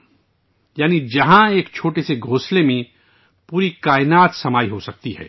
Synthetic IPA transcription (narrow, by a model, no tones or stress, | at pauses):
jaːnid͡ʒɐɦãeːkt͡ʃʰoːʈeseɡʱoːslemẽ | puːɾikaːɪnaːt̪sɐmaːiɦosɐk̚t̪iɦɛ̰ː